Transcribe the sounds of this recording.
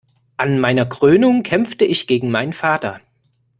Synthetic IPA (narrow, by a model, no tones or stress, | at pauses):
ʔanmaɪnɐkʁ̥øːnʊŋkʰɛmp͡ftəɪçɡ̥eːɡŋ̩maɪnənfaːtɐ